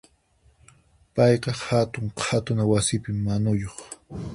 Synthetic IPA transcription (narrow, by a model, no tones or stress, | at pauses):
pɑjqɑhat̪ʊŋqʰat̪ʊnawasɪpɪmːanʊjoχ